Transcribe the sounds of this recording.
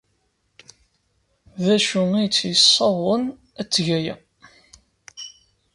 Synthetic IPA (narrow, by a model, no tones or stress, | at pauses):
ðæʃuijət͡sːjəsˤːɑðˤən | æt͡sːʝæjæ̰